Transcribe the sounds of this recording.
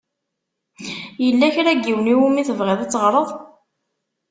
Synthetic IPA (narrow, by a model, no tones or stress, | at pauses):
jəlːæçɾæɡːiwəniwumiθəvʁɪðˤæt͡sːəʁɾˤəðˤ